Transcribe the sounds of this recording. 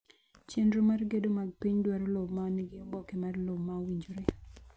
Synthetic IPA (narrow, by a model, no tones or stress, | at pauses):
t͡ʃenɾomarɡedomaɡ̚piɲdwaɾolobmaniɡɪɔbɔkemarlobmawiɲd͡ʒoɾe